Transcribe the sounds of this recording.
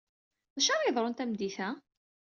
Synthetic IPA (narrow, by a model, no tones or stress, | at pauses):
ðæʃɑɾˤɑðˤɾˤont̪æmd̪iθæ